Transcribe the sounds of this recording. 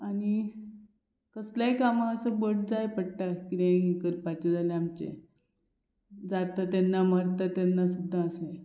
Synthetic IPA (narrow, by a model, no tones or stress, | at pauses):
ani | kəsljajkamãəsəbəɽd͡zajpəɽʈ̪akiɾẽɡikəɾpat͡ɕad͡zaleamt͡ɕḛ | d͡zat̪at̪anːaməɾt̪at̪janːasud̪ʱːaəse